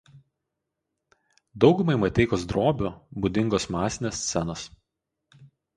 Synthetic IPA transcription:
d̪ɒʊɡʊmɐɪmɐt̪ʲɛɪkosd̪ɾoːbʲubʊd̪ʲɪŋɡoːsmɑːsʲɪnʲeːsʲt̪sʲɛnos

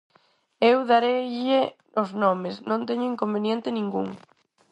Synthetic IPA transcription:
ewðaɾeʎie | oznɔmɪsnõnt̪eɲʊiŋkombenjɛnt̪ɪnĩŋɡṵŋ

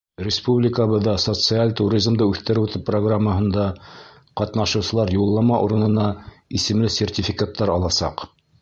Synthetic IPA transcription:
rʲɪspublʲɪkəβɤ̆ðːɑsot̪sɨalʲt̪uɾʲizmd̪ɤʉθt̪ɘ̆ɾɘwt̪ɘpːroɡramːəɦɤ̆nd̪ɑ | qɑt̪nɑʃɤ̆wsɤ̆lˠɑɾjulˠːɑmɑʔuɾɤ̆nɤ̆nɑisɘ̆mlɘsʲertʲɪfʲikat̪ːɑɾɑlˠɑsɑ̰q

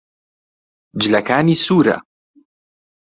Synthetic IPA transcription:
d͡ʒlɐkaːniːsuːɾa̰

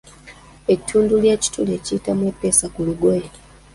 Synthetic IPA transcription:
e̞tʰːuːnduljeːci̥tʰule̞ciːtamupːe̞ːsakuluɡweːni

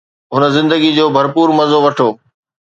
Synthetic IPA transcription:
ɦʊnə̆zɪ̃nd̪əɡid͡ʑoːbʱɐɾpuːɾmɐzoʋɐʈʰoː

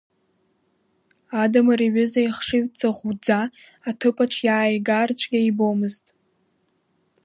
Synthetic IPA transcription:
adamariɥɪzaiχʂɨɥt͡sʼaʁʷud͡za | atʰɨpʰʼaʈ͡ʂʰjaːjɡart͡ɕʷʰɡʲaibomɨztʼ

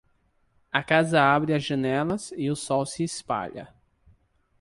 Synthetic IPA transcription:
ɐkazɐabɾɪɐzʒɐnɛlɐzɪʊsɔwsɪːspa̰ʎɐ̰

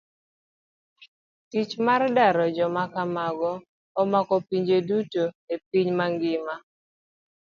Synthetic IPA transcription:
tit͡ʃmardaɾɔd͡ʒɔmakamaɡɔː | makɔpiɲd͡ʒedutoep̚iɲmaŋɡɪma

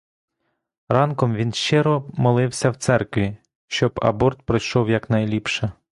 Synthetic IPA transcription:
ɾɑnkɔmʋʲinʃt͡ʃɪɾɔmɔlˠɪwsʲɐwt̪sɛrkʋʲi | ʃt͡ʃɔbɐ̰bɔrt̪̚pɾɪjʃɔwjɐknɐjlʲipʃɐ

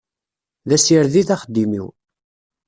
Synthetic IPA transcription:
ðæsiɾðiθæχəd̪ːimḭw

